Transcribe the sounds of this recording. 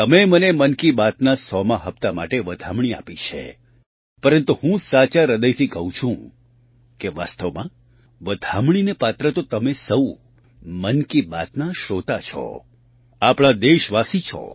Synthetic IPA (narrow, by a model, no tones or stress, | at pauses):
t̪əmemənemənkibat̪nasɔmaɦəpt̪amaʈeʋəd̪ʱamɳ̃ia̰pit͡ʃʰḛ | pəɾənt̪uɦũsat͡ʃaɾəd̪əjt̪ʰikəɦũt͡ʃʰũ | keʋa̰st̪əʋmã | ʋəd̪ʱamɳ̃inepat̪ɾət̪ot̪əmesəu | mənkibat̪naʃot̪at͡ʃʰɔ̰ | apɳ̃ad̪eʃʋasit͡ʃʰɔ̰